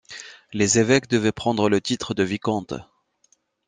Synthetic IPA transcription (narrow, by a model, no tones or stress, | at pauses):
lezevɛkd̪əvɛpχɑ̃d̪ʁələt̪it̪χəd̪əvikɔ̃t̪